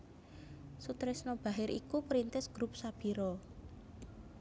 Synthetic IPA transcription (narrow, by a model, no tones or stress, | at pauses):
sut̪ɾɪsnɔb̥a̤ɦɪɾʔḭkupɾint̪ɪsɡ̥ɾup̚sab̥iɾɔ